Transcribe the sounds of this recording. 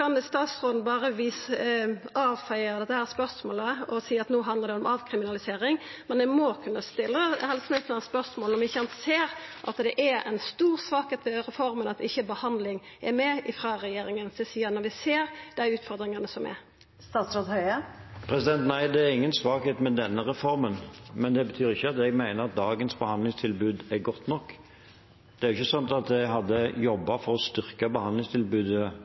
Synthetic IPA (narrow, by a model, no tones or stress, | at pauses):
ɑnst̪ɑːt̪sɾoːd̪n̩bɑːɾəʋiːs | ɑːʋfæɪəd̪ɛt̪ːəhæːʁspœɾsmoːləɔsiːɑt̪noːɦɑnd̪əɾd̪ɛɔmɑːʋkʰɾɪmɪnɑlɪseːɾɪŋmɛnd̪ɛmoːkʰʉnːəst̪ɪlːəhɛlsn̩heːt̪ɛæspœʁsmoːlɔmʋɪɪçːəɛnt̪seːɾʔɑ̰t̪d̪ɛʔæɛ̰nst̪uːʁsʋɑːkheːt̪ʋɛʁɛfɔɾmənɑt̪ɪçːəbəhɑnd̪lɪŋ | ʔɛɾmɛɪfʁɑːɾɛjeːɾɪŋənsd̪ɛsiːənɔɾʋɪseːɾd̪̥æɪʉːt̪fɔɾd̪ɾɪŋɑnəsɔmɛ̰ɾ | st̪ɑːt̪sɾod̪hœʏəpʰɾɛsɪd̪ɛnt̪næɪd̪ɛæɾɪŋːənsʋɑːkheːt̪mɛd̪ɛnːəɾɛfɔɾmənmɛnd̪ɛbət̪ʰyːɾɪçːəɑt̪ɛɡmæɪnəɾɑt̪̚d̪ɑːɡənsbəhɑnd̪lɪŋst̪ʰɪlbʉːd̪æɾɡɔt̪ːnɔkː | d̪̥ɛæɾʊɪçːəsɑnt̪ɑt̪d̪ɛɡɦɑd̪ːəjɔbːɑfɔɾɔst̪ʏʁkəbəhɑnd̪lɪŋst̪ʰɪlbʉːd̪ə